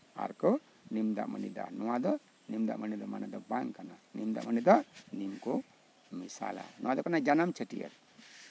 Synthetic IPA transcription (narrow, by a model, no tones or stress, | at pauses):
a̰ɾkɔ | nimd̪a̰ʔmənid̪a̰nɔwad̪ɔ | nimd̪a̰ʔmənid̪ɔmanad̪ɔbaŋkananimd̪a̰ʔmənid̪aʔnimkɔ | misa̰la̰nɔwad̪ɔkanad͡ʒanamt͡ʃʰəʈijə̰ɾ